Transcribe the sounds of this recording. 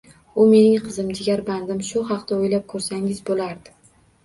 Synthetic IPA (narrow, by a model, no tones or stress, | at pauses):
ʊme̞nɪŋqʰɨzɪmd͡ʒ̪ɪɡʲaɾband̪ɪmʃʊhɑqt̪aojlap̚kʰɵɾsaŋɪzbolaɾd̪ɪ